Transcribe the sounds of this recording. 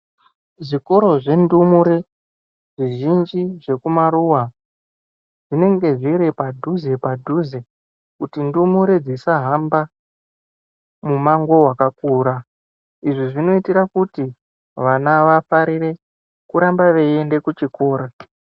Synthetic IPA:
ʐiko̞ɾo̞ʐe̞ndumuɾe | ʐiʒind͡ʒiʐe̞kumaɾuwa | ʐine̞ŋɡe̞ʐiɾepadʱuze̞padʱuze̞ | kutindumuɾed͡zisaɦamba | mumaŋɡo̞wakakuːɾa | iʐiʐino̞itiɾakuti | ʋanaʋafaɾire̞ | kuɾambaʋeende̞kut͡ʃiko̞ːɾa

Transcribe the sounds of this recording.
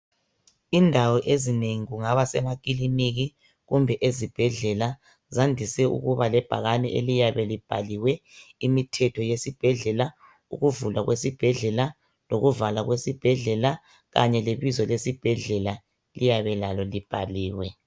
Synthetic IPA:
indʱawɔʔezineŋiɣuŋaβasɛ̰mak̬ʼiliniɣi | ɣumbʱɛʔezib̥ʱɛɮɛla | zandʱisɛṵɣuβalɛb̥ʱa̰ɣanɛ̰ʔḛlijaβɛlib̥ʱa̰liwɛimitʰɛtʰɔjesib̥ʱɛɮɛla | ṵɣuvulwaɣwesib̥ʱɛɮɛla | loɣuvalaɣwesib̥ʱɛɮɛla | ɣaɲɛleβizɔlesib̥ʱɛɮɛla | lijaβɛlalɔlib̥ʱa̰liːwɛ

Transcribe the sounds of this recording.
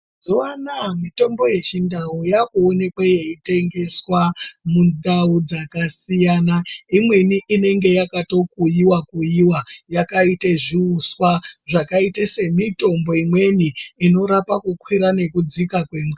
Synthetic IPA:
zuwanamito̞mboje̞t͡ʃindaujakuone̞kwaje̞ite̞ŋɡe̞swamundaud͡zakasijaːnaimwe̞niʔine̞ŋɡe̞jakato̞kujiwakujiwajakaiteʐiuswaʐakaitase̞mito̞mbo̞imwe̞niːno̞ɾapakukwiɾane̞kud͡zikakweːmwa

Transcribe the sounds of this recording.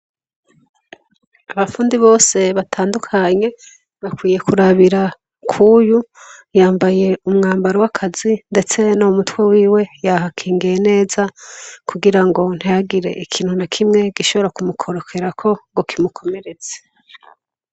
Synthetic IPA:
aβafuːndiβo̞ːse̞βatʰaːndukʰaɲe̞ | βakwiːje̞kuɾaβiɾa | kʰujujaːmbaje̞umŋaːmbaɾowakʰazinde̞t͡se̞nomutwe̞wiːwe̞jaɦakʰiːŋɡijene̞ːzakʰuɡiɾaŋɡo̞n̥ijaɡiɾe̞̰ʔikʰiːn̥hunakʰimŋe̞ɡ̥iʃo̞βo̞ɾakumukʰo̞ɾokʰe̞ɾakʰo̞ŋɡokimukʰo̞me̞ɾe̞z̥e̥

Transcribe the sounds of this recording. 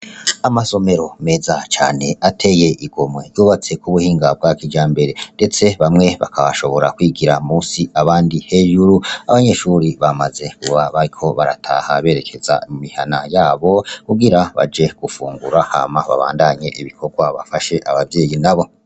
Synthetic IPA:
amaso̞me̞ɾo̞me̞zat͡ʃa̰ːne̞atʰe̞je̞ʔiɡo̞mŋe̞juːβat͡se̞kuβuhiːŋɡab̚ɡakid͡ʒaːmbe̞ɾe̞nde̞t͡se̞βamŋe̞βa̰kʰaβaʃo̞βo̞ɾakwiːɡiɾamuːsiaβaːndihe̞ːʒuɾuaβaɲe̞ʃuːɾiβamaze̞kuβaβaɾikʰo̞βaɾa̰tʰa̰haβe̞ːɾe̞kʰe̞z̥a̰mumihanajaːβo̞kuɡiɾaβa̰d͡ʒe̞ɡ̥ufṵːŋɡuɾaha̰maβa̰βa̰ːndaɲe̞ʔiβikʰo̞ɡwaβa̰faʃe̞ʔaβavje̞ːjinaβo̞

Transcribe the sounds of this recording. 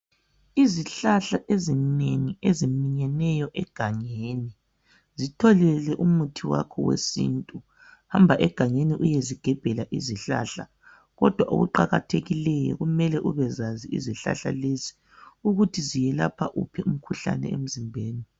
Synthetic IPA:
iziɬaɬaʔezineŋiezimiɲɛnɛjɔʔɛɡ̥ʱaɲeːni | zitʰɔlɛlɛʔumutʰiwa̰kʰɔwḛsḭntʼu | hambʱaʔɛɡ̥ʱaŋeniʔujeziɡ̥ʱɛb̥ʱɛlaʔiziɬa̰ɬa | ɣɔd̥ʱwaʔo̰ɣuǃaɣa̰tʰeɣilɛjɔ̰ɣumɛlɛʔuβɛzaziḭziɬa̰ɬa̰lezi̥ | uɣutʰizijɛla̰pʰa̰ʔṵpʰɛum̩kʰuɬa̰nɛ̰em̩zimbʱeːni

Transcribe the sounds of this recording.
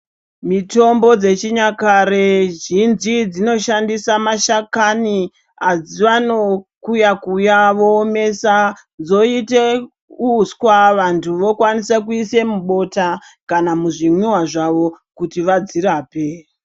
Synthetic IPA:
mito̞mbo̞d͡ze̞t͡ʃiɲakaɾeʒinzid͡zino̞ʃandisamaʃakani | ad͡ziʋano̞kujakujaʋo̞ːme̞sa | d͡zo̞ite | uskwaʋantʰuʋo̞kwanisakuisemuɓo̞ta | kanamuʐimwiwaʐaʋo̞ | kutiʋad͡ziɾaːpe̞

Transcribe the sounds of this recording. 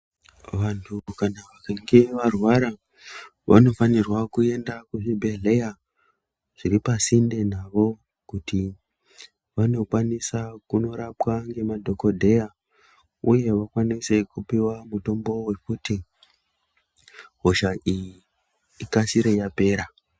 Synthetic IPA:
ʋantʰukanaʋakaŋɡe̞ʋarwaɾa | ʋʔa̰no̞fanirwakue̞ndakuʐibʱe̞ɮe̞ja | ʐ̥iɾipasinde̞naʋo̞ | kuti | ʋano̞kwanisakuno̞ɾapwaŋɡe̞madʱo̞kodʱe̞ja | uje̞ʋakwanise̞kupiwamuto̞mbo̞we̞kuti | ɦoʃaʔiji | ikasiɾe̞jape̞ːɾa

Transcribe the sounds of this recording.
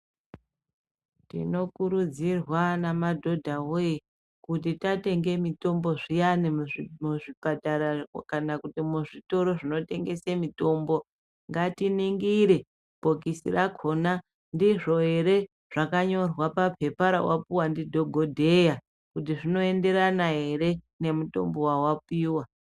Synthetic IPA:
tḭno̞kuɾud͡zirwanamadʱo̞dʱawoji | kutitate̞ŋɡe̞mito̞mbo̞ʐijanimuʐibʱataɾakanakutimuʐito̞ɾo̞ʐino̞te̞ŋɡe̞semito̞mbo̞ | ŋɡatiniŋɡiɾe̞ | b̥ʱokisḭrakʰo̞na | ndiʐo̞ɦe̞ɾe̞ | ʐ̥akaɲo̞rwapapʰe̞paɾa̰wapuwandidʱo̞ɡʱodʱe̞ja | kut̬iʐino̞e̞nde̞ɾanaɦe̞ɾe̞ | nemuto̞̰mbo̞wawapiːwa

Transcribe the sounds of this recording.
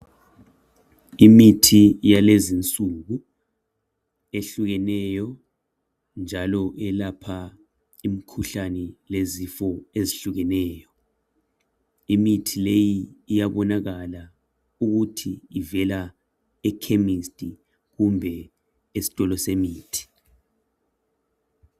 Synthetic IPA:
imitʰijalezint͡sʼuɣu | eɬuɣɛnɛjɔ | nd͡ʒʱalɔʔɛlapʰa | im̩kʰuɬanɛlezifɔeziɬuɣɛnɛːjɔ | imitʰilejiːjaβɔnaɣala | uɣutʰiːvɛla | ɛkʰemistʼi | ɣumbʱɛ | esi̥tʼɔlɔsemiːtʰi̥

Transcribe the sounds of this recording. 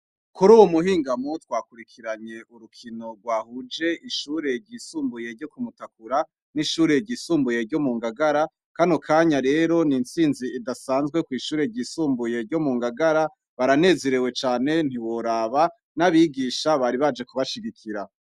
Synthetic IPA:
kuɾuːwomuhiːŋɡamutwaːkuɾikʰiɾaɲe̞ʔuɾukʰino̞ɡwaːhud͡ʒe̞ʔiʃuːɾe̞ɾɟiːsuːmbuje̞ɾɟo̞kumutakuɾa | niʃuːɾe̞ɟiːsuːmbuje̞ɾɟo̞muːŋɡaɡaɾa | kanokʰaːɲaɾe̞ɾo̞nint͡siːnziːdasaːnzɡwe̞kwiːʃuːɾe̞ɟisuːmbuje̞ɾɟo̞muːŋɡaɡaɾa | βaɾane̞ːze̞ɾewe̞t͡ʃaːne̞n̥iwo̞ɾaːβa | naβiɡiʃaβaɾiβad͡ʒe̞kuβaʃiɡikʰiɾa

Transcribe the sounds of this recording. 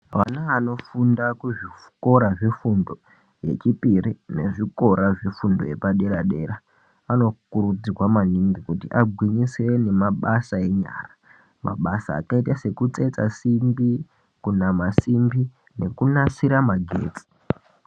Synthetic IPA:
ʋa̰naaːno̞fundakuʐi | ko̞ɾaʐifundo̞ | je̞̰t͡ʃipirine̞ʐiko̞ɾaʐefundo̞̰je̞paɗe̞ɾaɗe̞ːɾa | ano̞kuɾud͡zirwamaniŋɡikutiʔaɡʱwiɲiswene̞maɓasae̞ɲa̰ːra | ma̰ɓasa̰ːkaitase̞kut͡se̞t͡sa̰simbi | kunamasimbi | ne̞kunasiɾamaɡʱḛːt͡si̥

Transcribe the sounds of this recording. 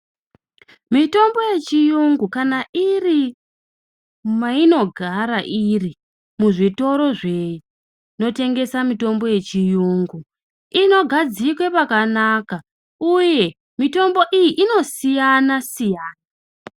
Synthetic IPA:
mito̞mbo̞je̞t͡ʃijuŋɡukanaʔiri | maino̞ɡʱaɾaʔiri | muʐito̞ɾo̞ʐe̞ju | no̞te̞ŋɡe̞samito̞mbo̞je̞t͡ʃijuŋɡu | ino̞ɡʱad͡zikwepakanaka | uje̞ | mito̞mbo̞ʔijiʔino̞sijanasijaːna

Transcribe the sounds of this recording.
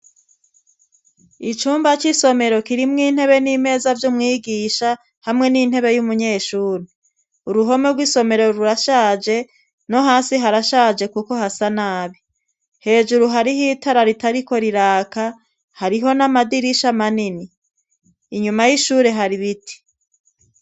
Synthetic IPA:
it͡ʃuːmbat͡ʃiso̞me̞ɾo̞kiɾimŋiːn̥he̞βe̞nime̞ːzavjumŋiːɡiːʃa | hamŋe̞nin̥he̞βe̞jumuɲe̞ːʃuːɾe | uɾuɦo̞meɾɡwiːso̞me̞ɾo̞ɾuɾaʃaːd͡ʒe̞ | no̞ɦaːnsiɦaɾaʃaːd͡ʒe̞kuko̞hasanaːβi | he̞ːʒuɾuɦaɾiɦiːtaɾaɾitaɾiko̞ɾiɾaːka | haɾiɦo̞namadiɾiʃamaniniː | ɲumajiʃuːɾe̞ɦaɾiβiti̥

